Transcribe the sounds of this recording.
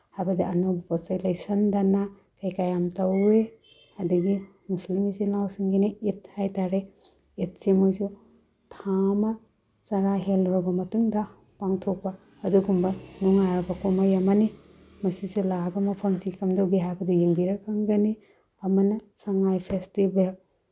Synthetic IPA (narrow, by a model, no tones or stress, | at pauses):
hajbɐdiɐnobɐpɐsajlajsɐndana | kajkajamtɐwe | ɐduɡi | muslimisinlawsiŋɡiniit̚hajtaɾe | it̚semojsu | tʰamɐ | t͡ʃɐɾaɦelɔɾɐbɐmɐtuŋdɐ | paŋtʰok̚pɐː | duɡumbɐnuŋaɾɐbɐkomajamani | mujsusulabɐmɐpʰɐmsikɐmdɐwɡiɦajbɐdijiŋbiɾɐkʰːaŋɡɐni | ɐmɐnɐsaŋajpʰestibel